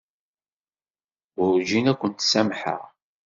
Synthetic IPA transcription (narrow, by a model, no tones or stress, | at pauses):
ʊɾʒinækʷːənt̪sæmħə̰ʁ